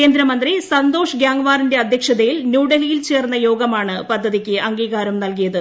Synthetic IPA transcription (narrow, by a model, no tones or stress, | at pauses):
ke̞ːnd̪ɾɐmɐnd̪risɐnd̪o̞ːʂɨɡjaːŋʋaːrinde̞ɐd̪ʱjɐkʂɐðɐjilnjuːɽɐɣijilt͡ɕe̞ːrnːɐjo̞ːɡɐmaːɳɨpɐd̪ʱːɐðikʲːɨʔɐŋɡiːɣaːɾɐmnɐlkijɐðɨ